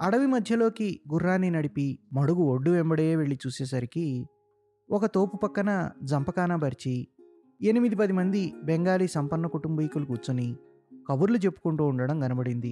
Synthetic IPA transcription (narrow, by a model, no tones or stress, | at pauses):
ɐɽɐʋimɐd̪ʱjɐlo̞ːkiɡurːaːnːinɐɽipimɐɽuɡuoɖːuembɐɽejeːʋe̞ɭːit͡ʃuːseːs̬ɐɾiki | ɔkɐt̪o̞ːpupɐkːɐnɐd͡ʒɐmpɐkaːnɐbɐɾit͡ʃi | enimid̪ipɐd̪imɐnd̪ibeŋɡaːliːsɐmpɐnːɐkuʈumbɐjikulukuːt͡ʃːuni | kɐʋuɾlut͡ʃe̞pːu̥kuɳʈuːɳɖɐɽɐmɡɐnɐbɐɽind̪i